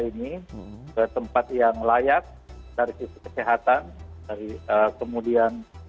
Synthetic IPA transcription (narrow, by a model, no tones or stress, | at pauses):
inikət̪əmpat̪jaŋlajak̚daɾisisu̥kə̥seɦat̪andaɾiəkəmudian